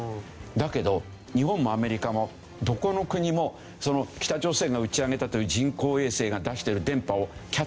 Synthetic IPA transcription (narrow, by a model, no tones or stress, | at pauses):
d̪ake̞d̪o̞ | ɲ̟iɦõ̞mːo̞ame̞ɾʲikamo̞ | d̪o̞ko̞no̞kɯ̟ɲ̟imo̞ | so̞no̞kʲi̥t̪ad͡ʑo̞ːse̞ːɡaɯ̟t͡ɕiaɡe̞t̪at̪o̞jɯ̟ːʑĩŋko̞ːe̞ːse̞ːɡad̪aɕi̥t̪e̞ɾɯ̟d̪ẽ̞mpao̞kʲa